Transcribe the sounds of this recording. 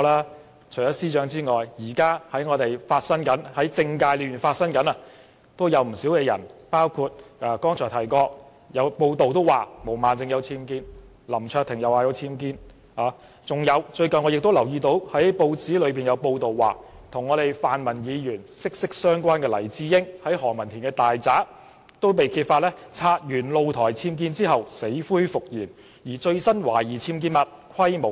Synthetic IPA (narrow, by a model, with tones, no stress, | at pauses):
laː˥ | t͡ʃʰɵ˨˩jɐ˥t̚siː˥t͡ʃœː˨˥ŋt͡siː˥ŋɔː˨jjiː˨˩kaː˥hɐ˨˥jŋɔː˨˧t̪e˨˩jfaː˧t̚sɐ˥nkɐ˨˥nhɐ˨˥jt͡sɪ˧ŋkaː˧jli˨˩jy˨˩nfaː˧t̚sɐ˥nkɐ˨˥nɐ˨ | t̪o˥wjɐ˨˧wm̩˨˩siː˨˥wkɛː˧jɐ̰˨˩npaː˥wkʰu˧t̚ʔɐː˧kɔː˥ŋt͡ʃʰɔː˨˩t̪ʰɐ˨˩jkɔː˧k̚ | jɐ˨˧wpo˧wt̪o˨wt̪o˥waː˨mo˨˩wmaː˨nt͡sɪ˧ŋjɐ˨˧wt͡sʰiː˥mkiː˧˥n | lɐ˨˩mt͡ʃʰœː˧k̚t̪ʰɪ˨˩ŋjɐ˨waː˧jɐ˨˧wt͡sʰiː˥mk̬iː˥n | haː˨˧ | t͡sʊ˨ŋjɐ˨˧wt͡ʃɵ˧ɥkɐ˨nŋɔː˨˧jɪ˨k̚t̪o˥wlɐ˨˩wjiː˧t̪o˨˥whɐ˨˥jpo˧wt͡siː˨˥lɵ˨˧ɥp̬iː˨njɐ˨˧wpo˧wt̪o˨wːaː˨˩ | t̪ʰʊ˨˩ŋːɔː˨˧t̪e˨jfaː˨nmɐ˨˩njiː˨˧jyː˨˩nsɪ˥k̚sɪ˥k̚sœː˥ŋkʷaː˥nkɛː˧lɐ˨˩jt͡siː˨˥jɪ˥ŋhɐ˨˥jhɔː˨˩ŋmɐ˨˩nt̪ʰiː˨˩nkɛː˧t̪aː˨jt͡saː˨˥ | t̪o˥wpe˨jkʰiː˧t̚faː˧t̚lɛː˥t͡sʰaː˧t̚jyː˨˩nlo˧wt̪ʰɔː˨˩jt͡sʰiː˧mk̬iː˧nt͡siː˥ɦɐ˨wse˨˥jfuː˥jfʊ˨k̚jiː˨˩n | jiː˨˩t͡ʃɵ˧ɥsɐ˥nwaː˨˩jiː˨˩t͡sʰiː˧mkiː˧nmɐ˨t̚kʰɐ˥jmo˨˩w